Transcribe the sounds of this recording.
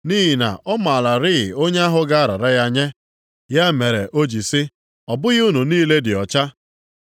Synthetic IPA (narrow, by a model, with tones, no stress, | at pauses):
niː˦ɦi˨na̰˨ʔɔ˦ma˨la˨ɾɪ˦ɣɪ˨o˦ɲ˦a˦ɦʊ˦ɡa˦a˦ɾa̰˨ɾa˦ja˦ɲe˦ | ja˦me˨ɾe˨ʔo˦d͡ʒi˨sɪ˦ | ɔ˨bʊ˦ɣɪ˦u˦nu˨niː˦le˦dɪ˨ɔ˨t͡ʃa˦